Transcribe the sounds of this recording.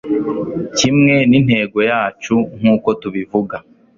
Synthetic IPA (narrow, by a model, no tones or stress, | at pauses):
cimŋe̞nin̥he̞ːɡo̞jaːt͡ʃuŋ̥uːko̞tuβivuɡa